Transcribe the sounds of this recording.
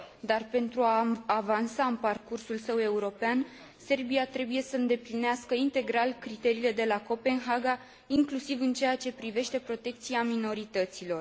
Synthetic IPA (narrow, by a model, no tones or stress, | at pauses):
d̪arpe̞nt̪ɾuaːvansaɨnparkursulsəwe̞uɾo̞pean | se̞rbiat̪ɾe̞buje̞səɨnd̪e̞plineaskəint̪e̞ɡɾalkɾit̪e̞ɾiːle̞d̪e̞lako̞pe̞nɦaɡa | iŋklusivɨnt͡ʃe̞jat͡ʃe̞pɾive̞ʃt̪e̞pɾo̞t̪e̞k̚t̪siamino̞ɾit̪ət̪silo̞r